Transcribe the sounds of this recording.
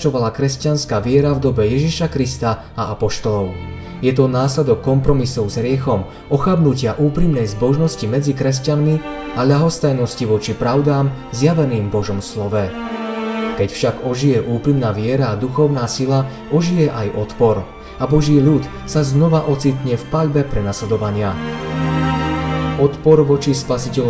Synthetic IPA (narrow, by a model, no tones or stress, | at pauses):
t͡ʃɔʋalakɾɛscanskaːʋɪɛɾavd̪ɔbɛjɛʒiʃakɾist̪aː | aʔapɔʃt̪ɔlɔʊ | jɛt̪ɔnaːslɛd̪ɔkːɔmpɾɔmisɔʊzɦɾɪɛxɔm | ɔxabnucɪaʔuːpɾimnɛjzbɔʒnɔscimɛd͡zikɾɛs̬canmi | aʎaɦɔst̪ajnɔsciʋɔt͡ʃipɾaʊd̪aːmzjaʋɛniːmbɔʒɔmslɔʋɛ | kɛcfʃaɡɔʒijɛʔuːpɾimnaːʋɪɛɾaːd̪uxɔʊnaːsila | ɔʒijɛʔajɔt̪pɔɾ | abɔʒiːʎut̪ | saznɔʋaʔɔt͡sit̪ɲɛfpaʎbɛpɾɛnaslɛd̪ɔʋaɲɪa | ɔt̪pɔɾʋɔt͡ʃispasicɛ